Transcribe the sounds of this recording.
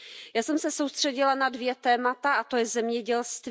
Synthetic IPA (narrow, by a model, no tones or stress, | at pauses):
jaːsɛmsɛso̞wst̪r̥ɛɟɪlanadvjɛt̪ɛːmat̪aʔat̪ojɛzɛmɲɛɟɛlst̪v